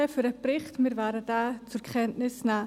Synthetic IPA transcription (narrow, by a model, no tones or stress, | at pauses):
fyɾɛbɾɪχtmiɾvaːɾədaːt͡sʊɾkʰɛntnɪsna